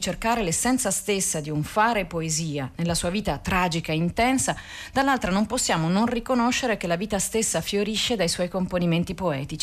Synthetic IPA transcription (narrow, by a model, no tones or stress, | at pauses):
t͡ʃerkaːɾelesːɛnt̪sast̪esːad̪iuɱfaːɾepoeziːanelːasuːaviːt̪at̪ɾaːd͡ʒikaeint̪ɛnsa | d̪alːalt̪ɾanomposːjaːmononrikonoʃːeɾek̟elːaviːt̪ast̪esːafjoɾiʃːed̪ajswɔjkomponiment̪ipoɛːt̪it͡ʃi